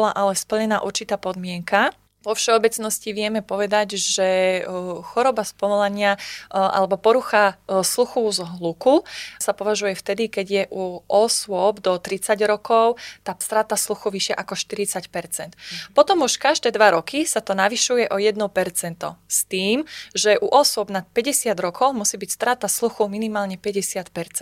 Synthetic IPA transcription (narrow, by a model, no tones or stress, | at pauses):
laʔalɛspl̩ɲɛnaːʔuɾt͡ʃit̪aːpɔd̪mɪɛŋka | ʋɔfʃɛɔbɛt͡snɔsciʋɪɛmɛpɔʋɛd̪aɟʒɛ | xɔɾɔbaspɔʋɔlaɲɪaʔa̰lɛbɔpɔɾuxasluxuzɦlukusapɔʋaʒujɛft̪ɛd̪ikɛɟjɛʔuʔɔsʊwʊɔbd̪ɔt̪ɾit͡saɟɾɔkɔʊt̪aːst̪ɾaːt̪asluxuʋiʃɪaʔakɔʃt̪iɾit͡sacpɛɾt͡sɛnt̪pɔt̪ɔmuʃkaʒd̪ɛːd̪ʋaɾɔkisat̪ɔnaʋiʃujɛʔɔjɛd̪nɔpɛɾt͡sɛnt̪ɔ̰st̪iːmʒɛʔuʔɔsʊɔbnat̪̚pɛɟɛsɪad̪ɾɔkʰɔʊmusiːbicst̪ɾaːt̪asluxuminimaːlɲɛpɛɟɛsɪat̪pɛɾt͡sɛn